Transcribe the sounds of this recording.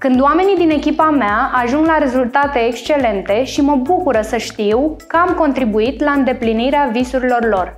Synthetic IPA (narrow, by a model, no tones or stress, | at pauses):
kɨnd̪oame̞nid̪ine̞kʲipameaaʒuŋɡlaɾe̞zult̪at̪e̞ːkst͡ʃe̞le̞nt̪e̞ʃiməbukuɾəsəʃt̪iwkəamko̞nt̪ɾibuit̪laɨnd̪e̞pliniɾeavisuɾilo̞rlo̞r